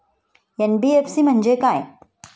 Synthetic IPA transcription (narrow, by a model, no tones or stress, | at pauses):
jɐnbiefsimɐ̃nd͡ʒekaːḛ̃